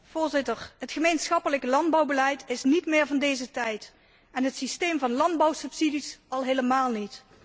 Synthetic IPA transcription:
v̥ʊːɹzɪtəɹɦətχəmejnsχɑpələkəlɑnd̚bɑwbəlɛjtɪsnitmɪːɹvɑndejzətɛjt | ɛnɦətsistejmvɑnlɑndbɔwsɵpsidisɑlˠɦeləmaːlˠnit

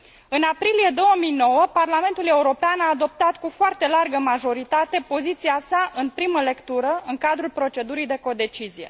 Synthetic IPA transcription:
ɨnapɾilije̞d̪o̞wəmijno̞wəparlame̞nt̪ule̞uɾo̞peanaːd̪o̞p̚t̪at̪kufoart̪e̞larɡəmaʒo̞ɾit̪at̪e̞po̞zit̪siasaʔɨnpɾiməle̞kt̪uɾəɨŋkad̪ɾulpɾo̞t͡ʃe̞d̪uɾijd̪e̞ko̞d̪e̞t͡ʃizije̞̰

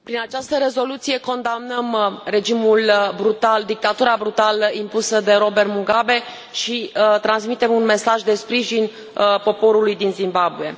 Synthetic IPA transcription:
pɾinat͡ʃast̪əɾe̞zo̞lut̪sije̞ko̞nd̪amnəmre̞d͡ʒimulbɾut̪ald̪ik̚t̪at̪uɾabɾut̪aləimpusəd̪e̞ɾo̞bert̪muɡabe̞ | ʃit̪ɾansmit̪e̞munme̞saʒd̪e̞spɾiʒin | po̞po̞ɾulujd̪inzimbabuje̞̰

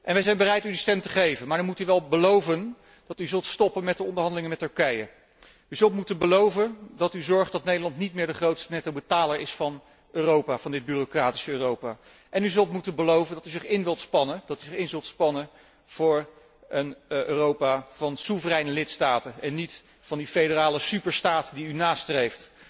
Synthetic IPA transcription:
ʔɛnʋɛjzɛjnbərɛjtydəstɛmtəχejvənmaɹdəɹmutyʋɛlˠbəlowvən | d̥ɑtyzɵlˠtstɔpənmɛtdəɔndəɹɦɑndəlɪŋənmɛtɵɹkɛjə | yzɵlˠtmutənbəlowvəndɑtyzɔɹχtdɑtnejdəlɑntnitmɪːɹdəχrowtstənɛtowbətaːləɹɪsfɑn | øːrowpaːv̥ɑndɪd̚byːrokraːti̥səøːrowpaː | ʔɛnyzɵlˠtmutənbəlowvəndɑtyzɪχɪnʋɪlˠtspɑnənd̥ɑtyzɪχɪnzɵlˠtspɑnə | v̥ʊːɹ | ənʔøːrowpaːv̥ɑnsuvərɛjnəlɪtstaːtənɛnːit | fɑndifejdəraːləsypəɹstaːtdiynaːstrejft

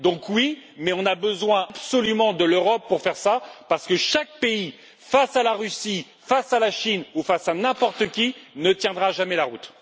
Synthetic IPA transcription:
d̪ɔ̃kwimɛɔ̃nabəzwɛ̃absɔlymɑ̃d̪əløʁɔpːuʁfɛʁsapaʁsə̥kəʃak̚pei | fasalaʁysi | fasalaʃinufasanɛ̃pɔʁt̪əkʲinət̪jɛ̃d̪ʁaʒamɛlaʁut̪

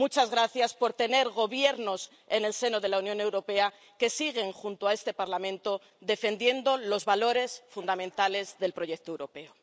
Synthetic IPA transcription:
mut͡ʃazɣ̞ɾaθjaspo̞ɾt̪e̞ne̞ɾɣo̞βje̞ɾno̞s | e̞ne̞lse̞noðe̞launjone̞wɾo̞pe̞a | ke̞siɣ̞e̞ŋxunt̪oae̞st̪e̞paɾlamẽ̞nt̪o̞ | ðe̞fe̞nd̪je̞nd̪o̞lo̞zβalo̞ɾe̞sfund̪amẽ̞nt̪ale̞zðe̞lpɾo̞ʝe̞k̚t̪oewɾo̞pe̞o

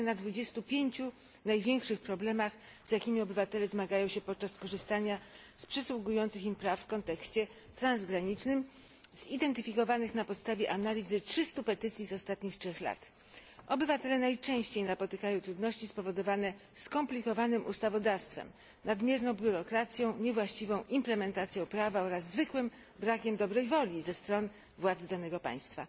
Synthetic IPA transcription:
nad̪vud͡ʑɛst̪upʲjeɲt͡ɕu | najvʲjɛŋkʂɘxpɾɔblɛmax | zjakʲimʲiɔbɘvat̪ɛlɛzmaɡajɔ̃w̃ɕɛpɔt̪̚t͡ʂaskɔʐɘst̪aɲa | spʂɛswuɡujɔnt̪sɘximpɾafːkɔnt̪ɛkɕt͡ɕɛ | t̪ɾanzɡɾaɲit͡ʂnɘm | z̥id̪ɛnt̪ɘfʲikɔvanɘxnapɔt̪st̪avʲjɛʔanalʲizɘtʂɘst̪upɛt̪ɘt̪sʲjizɔst̪at̪ɲixtʂɛxla̰t̪ | ʔɔbɘvat̪ɛlɛnajt͡ʂɛ̃w̃ɕt͡ɕejnapɔt̪ɘkajɔ̃wt̪ɾud̪nɔɕt͡ɕispɔvɔd̪ɔvanɛ | skɔmplʲikɔvanɘmʔust̪avɔd̪afst̪fɛ̰m | nad̪mʲjɛɾnɔ̃w̃bʲjuɾɔkɾat̪sʲjɔ̃w̃ɲɛvwaɕt͡ɕivɔ̃w̃ʔimplɛmɛnt̪at̪sjɔ̃w̃pɾavaɔɾazːvɘkwɘm | bɾakʲɛmd̪ɔbɾɛjvɔlʲizɛst̪ɾɔn | vwad̪zd̪anɛɡɔpa̰j̃st̪fa̰

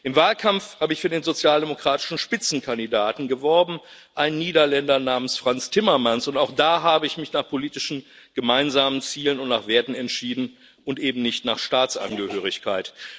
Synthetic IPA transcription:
ʔɪmvaːlkʰamfhaːbəɪçfyɐdeːnzot͡sjaːldemokʁ̥aːtɪ̥ʃn̩ʃpɪt͡sn̩kʰandidaːtn̩ɡəvɔɐbm̩ | ʔaɪnːiːdɐlɛndɐnaːmənsfʁ̥ant͡stʰɪmɐmansʊntaʊxd̥aːɦaːbəɪçmɪçnaːχpʰoliːtɪʃn̩ | ɡ̥əmaɪnzaːmənt͡siːlənʊntnaːχv̥eːɐtn̩ɛntʃiːdn̩ | ʔʊntʔeːbm̩nɪçtnaːχʃtaːt͡sʔa̰nɡəhøːʁ̞ɪçkʰaɪt

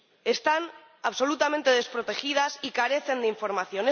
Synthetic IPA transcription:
e̞st̪an | aβso̞lut̪amẽnt̪e̞ð̞e̞spɾot̪e̞xið̞asikaɾe̞θe̞nd̪eiɱfo̞ɾmaθjo̞ne

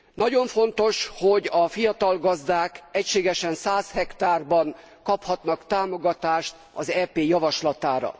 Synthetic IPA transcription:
nɒɟo̞ɱfo̞nt̪o̞ʃhoɟɒfijɒt̪ɒlɡɒzd̪aːkɛcʃeːɡɛʃɛnsaːshɛkt̪aːrbɒn | kɒphɒt̪nɒkt̪aːmo̞ɡɒt̪aːʃt̪ | ɒzɛːpeːjɒvɒʃlɒt̪aːɾɒ̰

